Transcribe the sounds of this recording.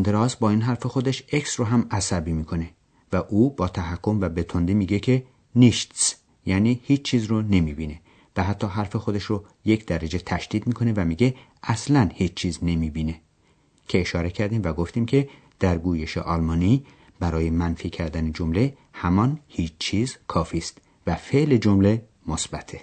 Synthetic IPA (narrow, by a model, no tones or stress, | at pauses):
nd̪eɾɒːsbɒːinɦæɾfe̞xo̞d̪eʃe̞ksroɦæmæsæbiːmiːkʰo̞ne̞ | væʔuːbɒːt̪ʰæɦækʰːo̞mvæbe̞t̪ʰond̪imiːɡe̞cʰe | niʃt̪s | jæːniːhiːt͡ʃt͡ʃʰːiːzrone̞miːbiːne̞ | væɦæt̪ʰːɒːɦæɾfe̞xo̞d̪e̞ʃro | je̞cd̪æɾæd͡ʒe̞t̪ʰæʃd̪̥iːd̪miːkʰo̞ne̞væmiːɟe̞ʔæslænhiːt͡ʃt͡ʃʰiːzne̞miːbiːne̞ | cʰe̞ːʃɒːɾe̞cʰæɾd̪iːmvæɡo̞ft̪iːmcʰe̞ | d̪̥æɾɡuːje̞ʃḛʔɒlmɒːni | b̥æɾɒːje̞mænfiːcʰæɾd̪æned͡ʒomle̞ | hæmɒnhiːt͡ʃt͡ʃʰiːzkʰɒːfist̪ | væfe̞ʔle̞d͡ʒomle̞ | mosbæt̪ʰe